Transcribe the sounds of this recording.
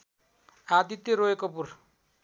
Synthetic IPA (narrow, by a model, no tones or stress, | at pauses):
ad̪it̪ːeɾoekopur